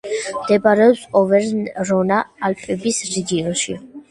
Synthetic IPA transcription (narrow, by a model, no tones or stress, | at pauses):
md̪̥ɛbaɾɛɔpsɔvɛɾnɾɔnaːlpʼɛbisɾiɡiɛlˠʃi